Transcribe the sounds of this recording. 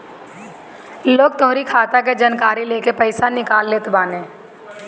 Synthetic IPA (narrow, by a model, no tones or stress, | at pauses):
loːɡ̚t̪õːɾikʰaːt̪aked͡ʒənkaːɾileːkepɛɪsanɪkaːlːeːt̪baːnẽː